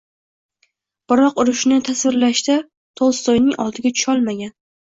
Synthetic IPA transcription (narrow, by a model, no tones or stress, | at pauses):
b̥ɪɾɒqʊɾʊʃnɪt̪ʰasvɪɾlaʃt̪a | t̪ʰɒlˠst̪ɒjnɪŋɒlˠd̪ɪɡʲat͡ʃʰʊ̥ʃɒlˠmaɡʲan